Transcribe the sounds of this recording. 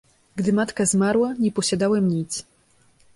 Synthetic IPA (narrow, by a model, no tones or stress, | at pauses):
ɡd̪ɘmat̪kazmaɾwaɲɛpɔɕad̪awɛmɲʲit͡ɕ